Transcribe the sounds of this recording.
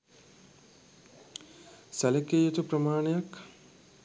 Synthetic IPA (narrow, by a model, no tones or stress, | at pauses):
sælekejet̪upɾəmaːnejak